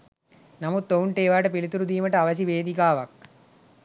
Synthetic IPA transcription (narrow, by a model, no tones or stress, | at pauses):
nɐmud̪ːouɳʈeːʋaːʈəpilit̪uɾud̪iːməʈəaʋɐs̬iʋeːd̪ikaːʋɐk̚